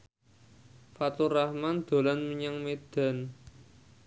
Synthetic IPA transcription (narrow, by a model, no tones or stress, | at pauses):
fat̪urahmand̪̥o̤lanməɲaŋmed̪̥a̤n